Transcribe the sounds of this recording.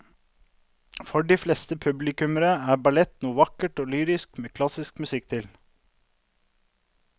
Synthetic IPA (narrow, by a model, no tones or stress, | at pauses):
fɔɖiːflɛst̪əpʰʉblɪkʉməɾəæːbɑlɛt̪nuːəʋɑkəʈoːlyːɾɪskmeːkʰlɑsɪskmʉsɪkt̪ʰɪl